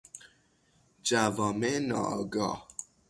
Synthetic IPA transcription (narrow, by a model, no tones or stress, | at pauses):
d͡ʒavɔmenɔ̰ɡɔ